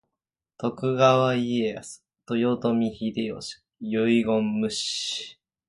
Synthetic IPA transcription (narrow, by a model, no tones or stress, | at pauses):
t̪o̞kɯ̟ɡaβaieasɨ̥ | t̪ojot̪omʲiçid̪eo̰ɕi̥ | jɯiɡõmːɯ̟ɕ